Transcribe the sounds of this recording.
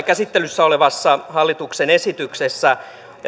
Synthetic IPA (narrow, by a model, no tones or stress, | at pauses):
kæsit̪ːelysːæoleʋɑsːɑhɑlːit̪uksene̞sit̪yksesːæ